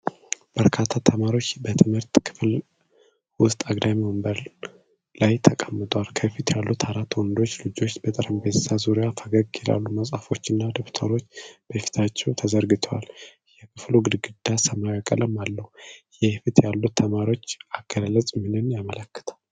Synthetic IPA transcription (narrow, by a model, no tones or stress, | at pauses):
b̥əɾkʰat̪ʰːat̪ʰəmaɾiwo̞t͡ʃːbət̪ʰɨmhɨɾt̪ʼkʰɨ̥fl | wʊst̪ʼaɡd̪amiməmbəɾ | lajt̪ʰəkʼəmːɨt̪ʼwalkʰəfit̪jalːut̪ʰaɾat̪wɔnd̪o̞t͡ʃːlɨd͡ʒo̞t͡ʃːbət̪ʼəɾəmbəzzazuɾijafəɡəɡjɛla̰lːuməsʼafo̞t͡ʃːɨnːad̪əpt̪ʰəɾo̞t͡ʃːb̥əfi̥t̪ʰat͡ʃːɛwt̪ʰəzəɾɡɨt̪ʰəwa̰l | jɛkʰɨfluɡɨd̪ɡɨd̪̥asəmajakʼəlʔəmalːəhujɛhfit̪jalːut̪ʰːəmaɾiwo̞t͡ʃːaɡ̥əllət͡sʼmɨnɨnjamələkːə̥t̪ʰḁl